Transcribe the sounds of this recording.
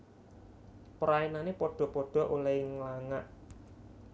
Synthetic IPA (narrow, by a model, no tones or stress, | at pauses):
pəɾainanepɔɖ̥ɔ̤pɔɖ̥ɔ̤ʔulaɪŋlaŋaʔ